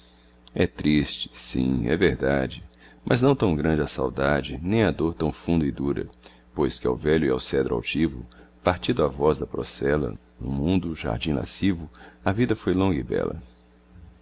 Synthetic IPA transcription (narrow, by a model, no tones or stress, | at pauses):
ɛt̪ɾist͡ʃɪ̥sḭ̃ɛ̰veɾd̪ad͡ʒɪmɐznɐ̃w̃t̪ɐ̃w̃ɡɾɐ̃nd͡ʒɪɐsawd̪ad͡ʒɪnẽj̃ɐd̪oɾt̪ɐ̃w̃fũnd̪ɐɪd̪uɾɐ̰ | pojskɪa̰wvɛʎʊiawsɛd̪ɾʊa̰wt͡ʃivʊ̰paɾt͡ʃĩd̪ʊavɔzd̪ɐpɾo̰sɛlɐ̰ | nʊmũnd̪ʊʒa̰ɾd͡ʒĩla̰sivʊɐvid̪ɐfojlõŋɡɪbɛ̰lɐ̰